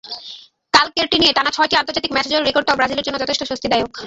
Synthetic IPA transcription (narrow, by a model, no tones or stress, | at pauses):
kalkeɾʈinieʈanat͡ɕʰɔeʈiant̪oɾd͡ʑat̪ik̚mɛt͡ɕʰed͡ʑoɾɾekoɖ̚t̪abɾad͡ʑileɾd͡ʑonːod͡ʑɔt̪ʰeʃʈoʃost̪ʰid̪ajok